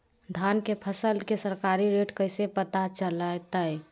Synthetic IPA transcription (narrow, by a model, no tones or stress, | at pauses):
d̪ʱankepʰəsəlkesəɾkaɾiɾeʈkəɪsepət̪at͡ʃələt̪əj